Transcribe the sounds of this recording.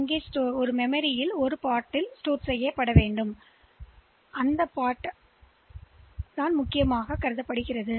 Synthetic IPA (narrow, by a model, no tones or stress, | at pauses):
ɐŋɡeːsʈoːɾɔɾɯmɛmɐɾɪjɪlɔɾɯpaːʈːɪlsʈoːɾsɛjːɐpːɐɽɐʋeːɳɖɯm | ɐnd̪ɐpːaːʈ | ðaːnmʊkːɪjɐmaːɣɐkːɐɾɯðɐpːɐɽɯɣɪrɐðɯ